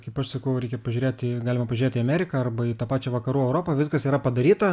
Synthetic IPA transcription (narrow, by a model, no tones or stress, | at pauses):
kɐɪpɐʃsɐkɐʊɾʲɛɪkʲɛpɐʒʲʊɾʲeːt̪ʲɪɡɑːlʲɪmɐpɐʒʲʊɾʲeːt̪ʲiːɐmʲæːɾʲɪkɐɐrbɐiːt̪ɑːpɑːt͡ʃʲɛʋɐkɐɾuːɛʊɾoːpɐʋʲɪskɐsiːɾɐpɐd̪ɐɾʲiːt̪ɐ